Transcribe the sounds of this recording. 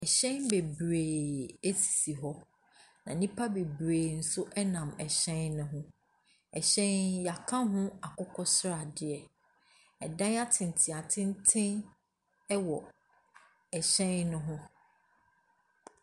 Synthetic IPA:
ɛ˨ɕɛ̃˦nbe˨bɾeː˨e˦sʰi̥˨si˨ɦɔ˦ | nã˨nĩ˦pʰa˦be˨bɾeː˨n̩˨sʊ˦ʔɛ˦nã˨mɛ˨ɕɛ̃˦nːʊ̃˦ɦʊ̃˦ | ɛ˨ɕɛ̃˦nja˨kʰã˦ɦʊ̃˦a˨kʊ˦kʰɔ˦sɾa˨dɪ˨ɛ˨ | ɛ˨dã˦a˦tʰɪ̃˨n˨tʰɪ̃˨a˨tʰɪ̃˦n˦tʰɪ̃˦n | ɛ˦wɔ˨ | ɛ˨ɕɛ̃˦nnʊ̃˦ɦʊ̃˦

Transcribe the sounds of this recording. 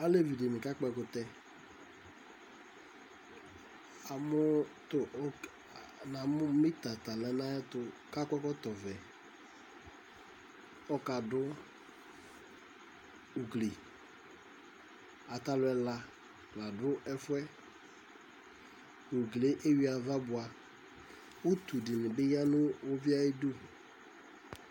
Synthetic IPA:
a˦le˦vi˨de˨mɪ˨ka˦k͡pɛ˦kʊ˨t̪ɛ˦ | a˨mʊ˦tʊ˨ʔ | na˨m˦mi˦t̪a˨t̪a˨lɛ˨na˦ɛ˦tʊ˦ka˦kɛ˦kɔ˦t̪ɔ˨vɛ˨ | ɔ˦ka˨dʊ˦ | u˨ɡle˨ | a˨ta˨lʊ˨ɛ˨la˨ | la˨dʊ˦ʔɛ˦fʊ˦ɛ˦ | u˨ɡle˦ʔe˦wi˦a˨va˦bʊ˨a˨ | wʊ˦t̪u˨dɪ˨nɪ˨bɪ˦ja˦nʊ˦wʊ˦vi˦a˦ɪ˦dʊ˦

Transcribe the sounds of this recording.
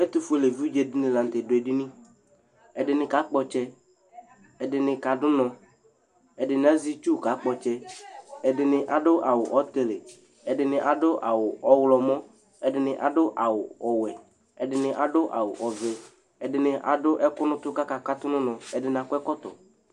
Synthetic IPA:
ɛ˦t̪ʊ˦fe˨le˨vu˦d͡ʒe˨dɪ˦nɪ̃˨la˨n̩˨t̪e˨dʊ˨ɛ˨dɪ˦nĩ˦ | ɛ˨dɪ˨nɪ̃˨ka˨˦k͡pɔ˨t͡ʃɛ˦ | ɛ˨dɪ˨nɪ˨ka˨dʊ˦nɔ̃˨ | ɛ˨dɪ˨nɪ˨˦a˦zi˦t͡ʃu˦˨ka˨˦k͡pɔ˨t͡ʃɛ˦ɛ˨dɪ˨nɪ˨ʔa˨dʊ˦ʔa˨wʊ˨ʔɔ˨˦t̪e˨le˨ | ɛ˨dɪ˨nɪ˨ʔa˨dʊ˦ʔa˨wʊ˨ɔ˨˦wlɔ˨mɔ̃˦ | ɛ˨dɪ˨nɪ˨ʔa̰˨dʊ˦ʔa˨wʊ˨ɔ˨wɛ˨ | ɛ˨dɪ˨nɪ˨ʔa˨dʊ˦ʔa̰˨wʊ̰˨ʔɔ˨vɛ˨ | ɛ˨dɪ˨nɪ˨ʔa̰˨dʊ˦ʔɛ˦kʊ˦nʊ̃˦t̪ʊ˦ka˦ka˨ka˦t̪ʊ˦nʊ̃˦nɔ̃˨ɛ˨dɪ˨nɪ˨a˨kʊ˦ɛ˦kɔ˦t̪ɔ̰˨

